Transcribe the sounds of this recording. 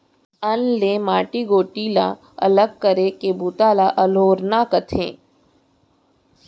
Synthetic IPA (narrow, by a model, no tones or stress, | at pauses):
ɐnleːmaːʈiɡoːʈiːla̰ː | ɐ̰ləɡ̚kəɾekeːbuːt̪aːlaʔɐloːɾnaːkət̪ʰḛ̃ː